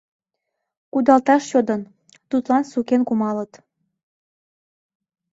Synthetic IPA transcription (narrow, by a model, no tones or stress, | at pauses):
kud̪ɑlt̪ɑʃjod̪ən | t̪ut̪lɑnsukenkumɑlət̪